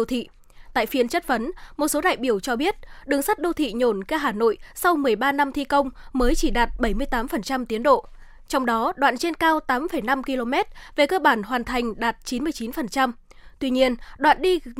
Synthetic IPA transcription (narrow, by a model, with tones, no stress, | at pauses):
wt̪ʰḭ˧˨ | t̪a̰ː˧˨jfi˨˦ənt͡ɕə˦˥t̚fə˨˦nmo˨˩t̚so˨˦ɗa̰ː˧˨jɓi˧˩əwt͡ɕɔ˧ɓi˦˥ət̚ɗɨ˨˩əŋsa˦˥t̚ɗo˧t̪ʰḭ˧˨ɲo˧˩nkaː˧ɦaː˧˩no̰˧˨jsa˧wmɨ˨˩əjɓaː˧na˧mt̪ʰi˧kə˧wŋ͡mməː˨˦jt͡ɕi˧˩ɗaː˨˩t̚ɓə˧˩jmɨ˧əjt̪aː˨˦mfə˨˩nt͡ɕa˧mt̪i˨˦ənɗo̰˧˨ | t͡ɕɔ˧wŋ͡mɗɔ˨˦ɗwa̰ː˧˨nt͡ɕe˧nkaː˧wt̪aː˨˦mfə˨˩jna˧mki˧lo˧mɛ˦˥t̚ve˨˩kəː˧ɓaː˧˩nɦwaː˨˩nt̪ʰa˨˩jŋ̟ɗaː˨˩t̚t͡ɕi˨˦nmɨ˧əjt͡ɕi˨˦nfə˨˩nt͡ɕa˧m | t̪wi˧ɲi˧ənɗwa̰ː˧˨nɗi˧